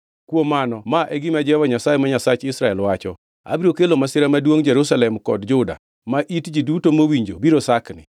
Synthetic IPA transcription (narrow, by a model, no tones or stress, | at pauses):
kwomanɔmaʔɛɡɪmad͡ʒɛwaɲasajemaɲasat͡ʃɪsɾaɛlwat͡ʃɔ̰ | a̰biɾokelomasɪɾamadwoŋd͡ʒeɾusalɛmkɔdd͡ʒʊda̰ | maʔitd͡ʒidutomowiɲd͡ʒo̰biɾosaknɪ̰